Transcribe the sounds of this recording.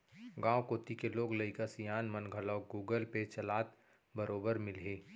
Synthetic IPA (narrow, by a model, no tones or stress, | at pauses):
ɡãːwkoːt̪ikeloːɡlɐɪkasijaːnmənɡʱəlaːɡuːɡəlpet͡ʃɐlaːt̪ | bəɾoːbəɾmɪlɦeː